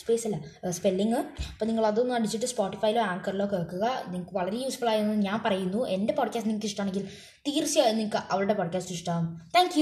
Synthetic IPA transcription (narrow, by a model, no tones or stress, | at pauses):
speːsɐlːɐspelːiŋɡɨɐpːoniŋːɐɭɐðuonːuaːɖid͡ʑiʈːɨspoːʈːifɐjilo̞ːaːŋkɐɾilo̞ːkeːkːuɣɐniŋikːɨʋɐɭɐɾe̞juːsfɐɭaːjɾunːoɲaːnpɐrɐjunːuende̞poːɖ̚kʲaːstniŋːkːɨiʂʈːɐmaːɳe̞ŋɡil | t̪iːrsijaːjniŋkːɨʔɐʋɐɭɨɽe̞poːɖkʲaːsʈːuiʂʈaːmt̪ʰaːŋkju